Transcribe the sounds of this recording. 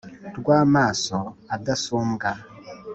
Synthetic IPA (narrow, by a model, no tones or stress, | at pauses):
tɡwamaːsɔadasumɡa